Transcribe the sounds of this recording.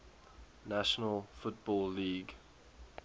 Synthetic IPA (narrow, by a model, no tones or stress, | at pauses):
naʃənəlfʊtbɔlːiːɡ